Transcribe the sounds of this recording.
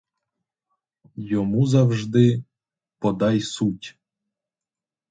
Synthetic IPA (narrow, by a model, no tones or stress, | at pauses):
jɔmuzawʒd̪ɪ | pɔd̪ɑjsutʲ